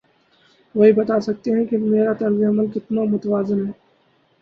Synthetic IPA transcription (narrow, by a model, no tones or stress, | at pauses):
ʋɐɦibɐt̪asɐk̚t̪eɦɛ̃kimeːɾat̪ɐɾzeɐməlkɪt̪namʊt̪əʋaːzɪnɦɛː